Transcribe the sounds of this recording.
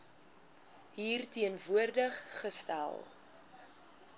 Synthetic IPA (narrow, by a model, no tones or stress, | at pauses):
ɦiːrtiənvuərdəχːəstæ̰lˠ